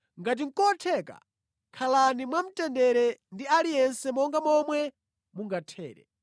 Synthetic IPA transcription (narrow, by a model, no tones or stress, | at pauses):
ŋɡat̬iŋ̩kɔtʰɛka̰ | kʰalanimwam̩tɛndɛɾɛndialijɛnsɛmɔŋɡamɔmwɛ | muŋɡatʰɛ̰ːɾɛ̰